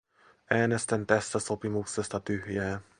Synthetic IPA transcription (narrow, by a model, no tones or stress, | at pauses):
ʔæːne̞st̪ænt̪æst̪æsopimuksest̪ɑt̪yɦjæː